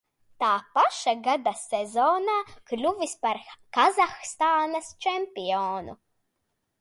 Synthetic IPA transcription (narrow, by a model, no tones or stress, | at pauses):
t̪aːpaʃaɡad̪asɛzɔːnaːklʲuvispaɾkazaxst̪aːnɐst͡ʃɛmʲpʲiɔːnṵ